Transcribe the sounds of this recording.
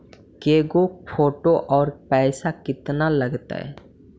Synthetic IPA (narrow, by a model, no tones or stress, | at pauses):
keɡofoʈoʔɔɾpɛjsakit̪nalːaɡt̪a̰e